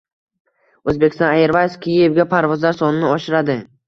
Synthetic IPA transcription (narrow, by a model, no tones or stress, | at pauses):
ɵzbekʲʰɪst̪ɒ̃najeɾvajskʲʰijevɡʲapʰaɾvɒzlaɾsɒnɪnɪɒʃɪɾad̪ɪ